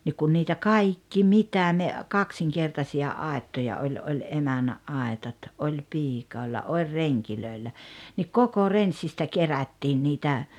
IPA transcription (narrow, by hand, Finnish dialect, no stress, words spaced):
nik kun niːtæ kɑikːi mitæ ne kɑksiŋkertɑsiɑ ɑˑetːojɑ olʲ olʲ emænːæʔ ʔɑetɑt ʔolʲ piːkoˑelːɑ olʲ reŋkiløˑelːæ nik koko rensːistæ kerætːiːn niːtæ